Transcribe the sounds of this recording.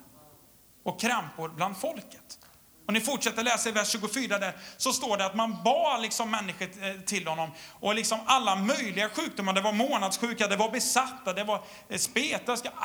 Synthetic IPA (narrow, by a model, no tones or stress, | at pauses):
ɔkʰːɾɛmpʊɾbland̪fɔlkə̥t̪ | ɔnɪfʊʈʂɛt̪ːəɾɔlɛːsaɪvæʂːʉːɡʊfyːɾad̪æɾsɔst̪oːɖɛat̪manbɑːlɪksɔmːɛnːɪɧəʈʰɪlhɔnːɔmɔlɪksɔmalːamœjlɪɡaɧʉ̟ːk̚d̪ʊmːaɾɖɛvaɾmoːnad̪sɧʉ̟ːkad̪ɛvaɾbɛsat̪ːad̪ɛvaɾ | speːt̪ask